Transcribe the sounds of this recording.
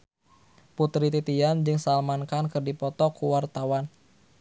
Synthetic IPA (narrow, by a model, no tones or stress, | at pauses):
put̪ɾit̪it̪iand͡ʒɨŋsalmankankərdipɔt̪ɔkuwart̪awan